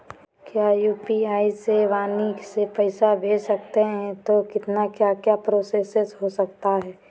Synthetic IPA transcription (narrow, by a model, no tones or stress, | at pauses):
kjaːjuːpiaːiseʋaːnisepɛɪsabʱeːsɐk̚t̪eɦɛ̃t̪okɪt̪nakjaːkjapɾoːseːsesɦosɐk̚t̪aɦɛː